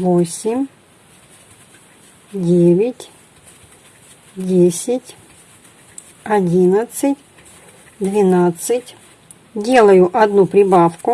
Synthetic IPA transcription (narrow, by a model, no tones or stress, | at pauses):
vosʲɪmʲ | dʲevʲɪtʲ | dʲesʲɪtʲ | ɐdʲinət̪sɨtʲ | d̪vʲɪnat̪sɨtʲ | dʲelˠəjʊʔɐd̪nupɾʲɪbafkʊ